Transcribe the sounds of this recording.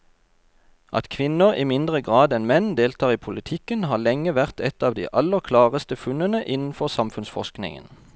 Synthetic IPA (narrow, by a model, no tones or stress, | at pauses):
ʔɑ̰t̪kʰʋɪnəʁḭːmɪnd̪ʁəɡʁɑːd̪ɛnmɛnd̪eːlt̪ʰɑːʁiːpʰʊlɪt̪ʰɪkənhɑːlɛŋəʋæʁt̪ʰɛt̪ɑːʋd̪ḭːʔɑləʁkʰlɑːʁəst̪əfʉnənəʔɪnn̩fɔʁsɑmfʉnsfɔ̰ʃknɪ̰ŋə̰n